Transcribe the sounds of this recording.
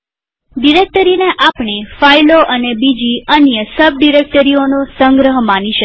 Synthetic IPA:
ɖiɾek̚ʈəɾineʔapɳefailoʔənebid͡ʒiənjəsəb̚ɖiɾek̚ʈəɾionosə̃ŋɡɾəɦmaniʃə

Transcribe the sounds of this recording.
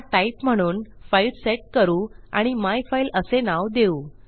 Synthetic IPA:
ʈaipm̤əɽ̃uːnfailseʈ̚kəɾuːa̰ɽ̃imajfailəsenaʋd̪euː

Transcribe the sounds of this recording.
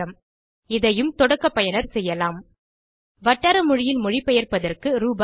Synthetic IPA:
ɐm | ɪðɐjɯmt̪ɔɽɐkːɐpːɐjɐnɐɾsɛjːɐlaːm | ʋɐʈːɐɾɐmʊɻɪjɪlmʊɻɪpːɛjɐrpɐðɐrkɯɾuːb

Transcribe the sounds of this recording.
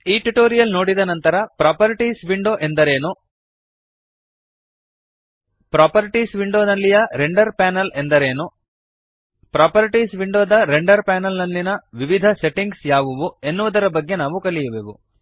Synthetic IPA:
iːʈuʈoːɾijɐlno̞ːɽid̪ɐnɐnt̪ɐɾɐpɾaːpɐɾiʈiːsʋiɳɖoːʔe̞nd̪ɐɾe̞ːnu | pɾaːpɐɾiʈisʋiɳɖoːnɐlːijɐɾeɳɖɐɾpaːnɐlend̪ɐɾeːnu | pɾaːpɐɾiʈisʋiɳɖoːd̪ɐɾeɳɖɐɾpaːnɐlnɐlːinɐʋiʋid̪ʱɐseʈiŋɡsjaːʋuʋue̞nːuʋud̪ɐɾɐbɐɡːe̞naːʋukɐlijɐʋeːʋṵ

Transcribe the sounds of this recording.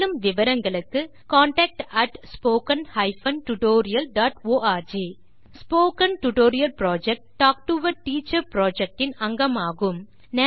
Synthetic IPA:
ɯmʋɪʋɐɾɐŋɡɐɭɯkːɯ | kaːɳʈɛːk̚ʈɐʈspoːkɐnhɐɪfɐnʈʊʈoːɾɪjɐlɖaːʈoːaːɾd͡ʒeː | spoːkɐnʈʊʈoːɾɪjɐlpɾaːd͡ʒɛk̚ʈːaːk̚ʈuʋɐɾʈiːt͡ʃːɐɾpɾoːd͡ʒɛk̚ʈɪnɐŋɡɐmaːɣɯm | nɛ

